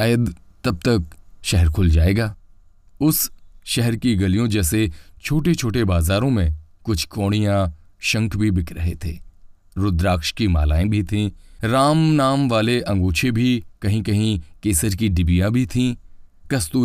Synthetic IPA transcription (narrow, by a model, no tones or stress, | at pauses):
ajəd̪t̪ɐb̚t̪ɐk̚ʃɛɦəɾkʰʊld͡ʒaːeːɡaː | ʊsʃɛɦɛɾkiɡɐlijõd͡ʒɛːset͡ʃʰoːʈet͡ʃʰoːʈebaːzaːɾõmẽkʊt͡ʃʰkɔːɽ̃ijãʃɐ̃ŋkʰbʱibʱɪkʰɾɐɦet̪ʰḛː | ɾʊd̪ɾaːkʃkima̰ːla̰ːẽbʱit̪ʰĩːɾaːmnaːmʋaːleʔɐ̃ŋɡoːt͡ʃʰebʱikɐɦĩkɐɦĩkeːsəɾkiɖɪbijãbʱit̪ʰĩː | kɐst̪uː